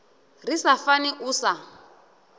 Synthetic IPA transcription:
risafaniʔuːsa

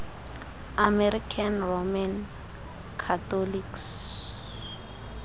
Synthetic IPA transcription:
amɛrikʰanroman | kʰatɔliks

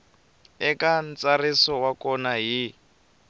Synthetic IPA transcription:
ɛkant͡sarisɔwakɔnaɦi

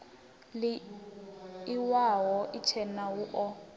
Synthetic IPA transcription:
lɪ | iwawɔʔit͡ʃʰɛnawuʔɔ

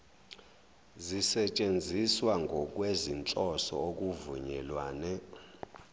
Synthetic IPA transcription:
zisɛt͡ʃʼend͡zʱiswaŋɡʱɔk̬ʼwezint͡ɬʼɔsɔ̰ok̬ʼuvṵɲɛlwaːnɛ

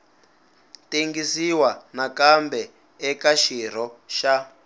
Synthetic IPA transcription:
teŋɡisiwanakambɛ | ɛkaʃiɾ̤ɔʃa

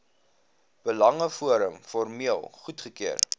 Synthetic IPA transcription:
b̥əlɐŋəfuəɾəmfɔrmiəlˠχutχəkiər

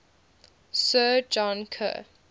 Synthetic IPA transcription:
səːd͡ʒɔ̃nkʰə̰

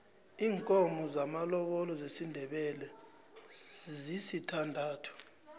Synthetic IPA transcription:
iːŋkʼɔmɔzamalɔɓɔlɔzesindʱɛɓɛlɛ | zisitʰandʱaːtʰu̥

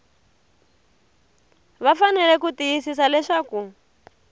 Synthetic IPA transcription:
βafanɛlɛkutijisisalɛʂaːku

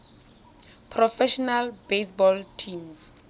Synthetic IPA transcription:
pʰrɔfɛʃɔnalbesbɔltʰĩms

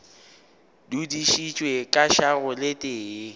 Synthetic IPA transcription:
dudiʃit͡ʃʼwekʼaʃaɣʊlɪtʼeː

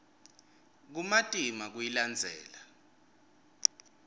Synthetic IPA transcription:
k̬umatʼimak̬ujiland͡zʱɛ̰ːla

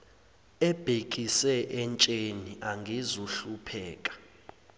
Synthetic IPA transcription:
ɛb̥ʱek̬ʼisɛʔɛnt͡ʃʼeniʔaŋɡʱizuɬupʰɛːkʼḁ

